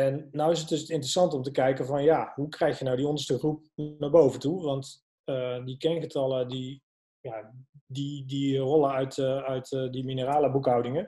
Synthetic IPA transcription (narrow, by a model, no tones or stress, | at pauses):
ɛnːɔwɪs̬ət̚dɵsɪntrəsɑntɔmtəkɛjkəvɑnjaɦukrɛjxjənawdiɔndəstəχrup̚naːɹbowvəntuʋɑnt | ədikɛnχətɑlədi | jadidirɔləœɥtœɥtdiminəraːləbukɦɑwdɪŋə